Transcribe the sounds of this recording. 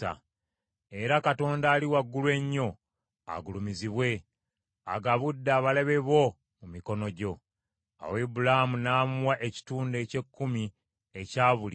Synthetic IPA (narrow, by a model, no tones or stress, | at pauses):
a̰ | e̞ɾakato̞ːndaːliwaɡːulwe̞ɲːo̞ | a̰ɡulumiziβwe̞ | a̰ɡaβudːaːβaleβe̞βo̞ | mumiko̞no̞ɟo̞ | a̰webulahamunaːmuwaʔe̞ci̥tuːnde̞ːce̞kːumi | ecaːβul